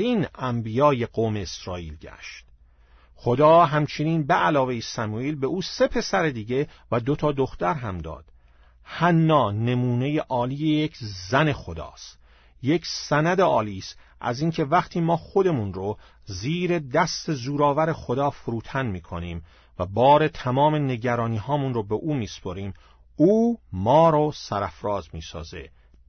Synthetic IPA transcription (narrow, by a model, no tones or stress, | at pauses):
iːnæmbijɒːje̞ɡoːme̞ːsɾɒːiːlɟæ̰ʃt̪ | χo̞d̪ɒːɦæmt͡ʃʰe̞niːnbeʔælɒːve̞jesæmuːiːlbe̞ʔuːse̞pʰe̞sæɾed̪iːɟe̞væd̪o̞t̪ʰɒːd̪o̞xt̪æɾɦæmd̪ɒ̰ːd̪̥ | hænːɒːne̞muːne̞jeʔɒːliːjejecʰzæne̞xo̞d̪ɒ̰ːst̪ | je̞cʰsænæd̪e̞ɒːliːst̪ | ʔæ̰ziːŋcʰe̞væχt̪ʰiːmɒːχo̞d̪e̞munɾo | ziːɾe̞d̪æst̪e̞zuːɾɒːvæɾe̞xo̞d̪ɒːfoɾuːt̪ʰænmiːkʰo̞niːm | væbɒːɾe̞t̪ʰæmɒːme̞ne̞ɟæɾɒːniːhɒːmunrobeʔuːmiːspʰoɾiːm | uːmɒːɾosæɾæfɾɒːzmiːsɒ̰ːze̞̰